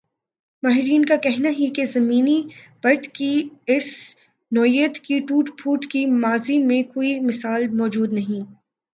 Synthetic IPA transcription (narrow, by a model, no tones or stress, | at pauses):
maːɦɪɾiːnkakɛɦnaɦikezɐmiːnib̥ɐɾt̪kiɪs | nɔːijət̪kiʈuːʈpʰuːʈkimaːzimẽkoːimɪsaːlmɔːd͡ʒuːd̪nɐɦĩː